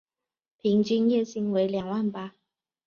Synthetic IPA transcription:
pʰi˨˥ŋt͡ɕy˥njɛ˥˧ɕi˥ŋwe˧˥ɪljɑ˨˩ŋwa˥˩npa˥

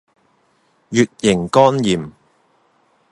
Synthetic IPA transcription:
jyː˨t̚jɪ˨˩ŋkɔː˥njiː˨m

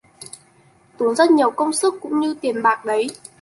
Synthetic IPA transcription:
t̪u˨˦nzə˦˥t̚ɲi˨˩əwkə˧wŋ͡msɨ˦˥kːʊ̰˧˥ŋ͡mɲɨ˧t̪i˨˩ənɓaː˨˩k̚ɗə˨˦j

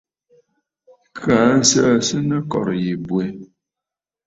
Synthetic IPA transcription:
kʰa˨˦n˦sə˦sɨ˦nə˦kɔ̰˨ɾji˨bwe˦

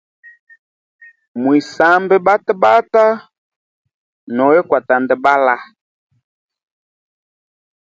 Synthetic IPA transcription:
mwi˨sa˨mbɛ˦ba˦tɛ˦ba˦ta˦ | nɔ˨wɛ˦kwa˨ta˨ndɛ˨ba˦la˦

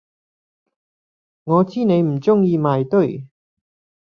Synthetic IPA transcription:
ŋɔː˨˧t͡siː˥ne˨˧jm̩˨˩t͡sʊ˥ŋjiː˧maː˨jt̪ɵ˥˩ɥ

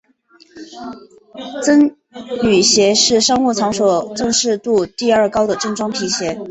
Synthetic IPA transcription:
t͡sə˥n | y˨˩ɕjɛ˧˥ʂɻ̩˥˩ʂɑ˥ŋwu˥˩t͡sʰɑ˧˥ŋswɔ˨˩ʈ͡ʂɤ˥˧ŋʂɻ̩˥˧t̪u˥˧t̪i˥˧ə˞˥˩kɑ˥ʊd̪ə˨ʈ͡ʂɤ˥˩ŋʈ͡ʂwɑ˥ŋpʰi˧˥ɕjɛ˧˥

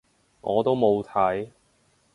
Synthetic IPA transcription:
ŋʔɔː˨˧t̪o˥wmo˨˧wt̪ʰɐ˨˥j

